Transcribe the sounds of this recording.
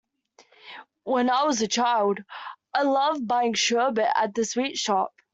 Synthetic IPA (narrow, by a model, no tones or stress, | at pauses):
wə̃naɪwɒzət͡ʃʰaɪlˠdaɪlʌvbaɪɪ̃ŋʃɜːbɪʔə̰t̪̚ðəswiˑtʃɒp̚